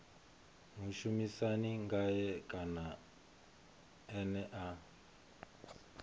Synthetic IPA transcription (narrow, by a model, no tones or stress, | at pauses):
muʃumisaniŋɡajɛkʼana | ɛnɛʔa